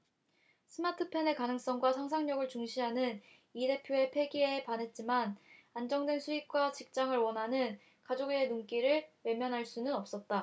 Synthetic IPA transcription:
sʰɯmatʰɯpʰe̞ne̞kanɯŋs͈ʌŋɡwasʰaŋs̬ʰaŋɲʌɡɯɭt͡ɕuŋɕʰiɦanɯn | ide̞pʰjoe̞pʰe̞ɡiepanɦe̞t̚t͡ɕ͈imanand͡ʑʌŋdwe̞nsʰuik̚k͈wat͡ɕik̚t͡ɕ͈aŋɯɭwʌnɦanɯn | kad͡ʑoɡienunk͈iɾɯɭwe̞mjʌnɦaɭs͈unɯnʌp̚s͈ʌt̚t͈a

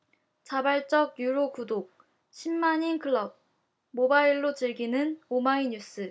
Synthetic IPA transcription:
t͡ɕabaɭt͡ɕ͈ʌɡjuɾokudok̚ | ɕʰimːaɲinkʰɯɭːʌb̚ | mobaiɭːot͡ɕɯɭɡinɯnomaiɲus͈ʰɯ

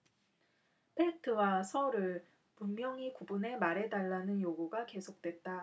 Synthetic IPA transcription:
pʰe̞tʰɯwasʰʌɾɯɭ | pummjʌŋikubune̞maɾe̞daɭːanɯnjoɡuɡake̞sʰok̚t͈we̞t̚t͈a

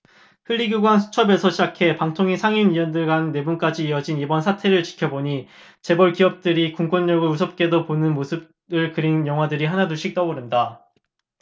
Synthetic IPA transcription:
hɯʎːiɡjuɡwansʰu̥t͡ɕʰʌbe̞sʰʌɕʰid͡ʑakʰe̞paŋtʰoŋisʰaŋiniʌndɯɭɡanːe̞bunk͈ad͡ʑiːʌd͡ʑinibʌnsʰatʰe̞ɾɯɭt͡ɕi̥kʰjʌboɲi | t͡ɕe̞bʌɭkiʌp̚t͈ɯɾikuŋk͈ʌnːʌɡɯɭus̬ʰʌp̚k͈e̞doponɯnmosʰɯb̚ | ɯɭkɯɾinjʌŋɦwadɯɾiɦanaduɭɕ͈ʰik̚t͈ʌboɾɯnda

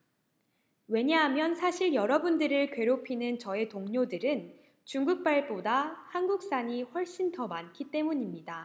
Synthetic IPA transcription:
we̞ɲeɦamjʌnsʰaɕʰiɭjʌɾʌbundɯɾɯɭkɥwe̞ɾopʰinɯnt͡ɕʌe̞toŋɲodɯɾɯn | t͡ɕuŋɡuk̚p͈aɭp͈odahanɡuk̚s͈aɲiɸwʌɭɕ͈intʌmankʰit͈e̞muɲimɲida

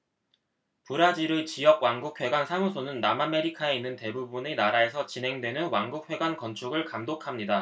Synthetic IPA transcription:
puɾad͡ʑiɾɯt͡ɕijʌk̚waŋɡuk̚ʰwe̞ɡwansʰaŋusʰonɯnːamame̞ɾikʰae̞inːɯnte̞bubunenaɾae̞sʰʌt͡ɕinɦe̞ŋdwe̞nɯnwaŋɡuk̚ʰɸwe̞ɡwankʌnt͡ɕʰuɡɯɭkamdokʰamɲida

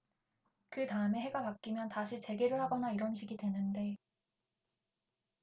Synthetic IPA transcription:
kɯtaɯme̞ɦe̞ɡapak͈imjʌntaɕʰit͡ɕe̞ɡeɾɯɭhaɡʌnaiɾʌnɕʰiɡidwe̞nɯnde̞

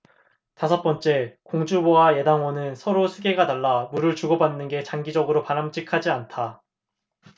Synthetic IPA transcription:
tasʰʌt̚p͈ʌnt͡ɕ͈e̞koŋd͡ʑubowaje̞daŋwonɯnsʰʌɾosʰuɡe̞ɡataɭːamuɾɯɭt͡ɕuɡʌbanːɯnɡe̞t͡ɕaŋɡid͡ʑʌɡɯɾopanamt͡ɕ͈ikʰad͡ʑiantʰa

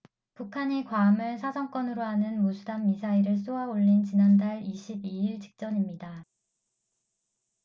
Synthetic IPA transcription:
pukʰaɲikwaːmɯɭsʰad͡ʑʌŋk͈wʌnɯɾoɦanɯnmosʰudamːisʰaiɾɯɭs͈oaoʎːint͡ɕinandaɭiɕʰibiiɭt͡ɕi̥k̚t͡ɕ͈ʌɲimɲida

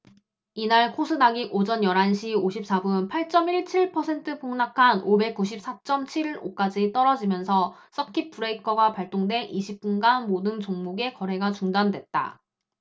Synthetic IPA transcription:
inaɭkʰosʰɯnaɡiɡod͡ʑʌnjʌɾɦanɕʰioɕʰip̚s͈abunpʰaɭt͡ɕ͈ʌmiɭt͡ɕʰiɭpʰʌsʰe̞ntʰɯpoŋnakʰanobe̞k̚k͈uɕ̬ʰip̚s͈at͡ɕ͈ʌmt͡ɕʰiɾɾo̰k͈ad͡ʑit͈ʌɾʌd͡ʑimjʌnsʰʌs͈ʌkʰip͈ʰuɾeikʰʌɡapaɭt͈oŋdwe̞ʔiɕʰip̚k͈unɡanmodɯnt͡ɕoŋmuɡe̞kʌɾɦe̞ɡat͡ɕuŋdandwe̞t̚t͈a̰

